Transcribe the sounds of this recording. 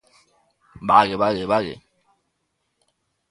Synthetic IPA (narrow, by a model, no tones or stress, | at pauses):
baɣebaɣebaɣḛ